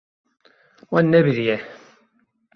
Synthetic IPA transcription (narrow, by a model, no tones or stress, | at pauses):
wænːæβðjæ